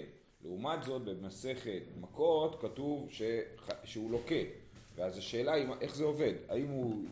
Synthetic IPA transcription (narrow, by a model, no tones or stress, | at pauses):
leumatzo̞t̚be̞mase̞χe̞tmako̞tkatuvʃe̞aʃeulo̞ke̞ | veazaʃe̞ːlaimʔe̞χzeo̞ve̞d̪a̰imu